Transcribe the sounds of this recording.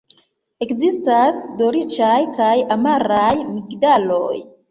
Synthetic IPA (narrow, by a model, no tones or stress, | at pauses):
e̞kzistasdo̞ɾit͡ʃajkajamaɾajmikdalo̞̰j